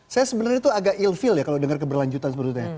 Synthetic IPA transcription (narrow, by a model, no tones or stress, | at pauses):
sajasəbənarɲat̪uaɡakilfɪljakalodəŋərk̬əbərlaɲd͡ʒut̪ansəpəɾut̪̚ɲa